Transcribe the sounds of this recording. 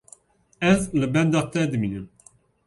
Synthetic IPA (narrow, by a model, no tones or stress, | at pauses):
ɛzlɨbɛnd̪ɑːt̪ɛd̪ɨminɨm